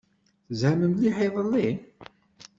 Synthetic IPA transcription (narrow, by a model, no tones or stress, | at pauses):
θəzʕæməmliħɪðˤəlːin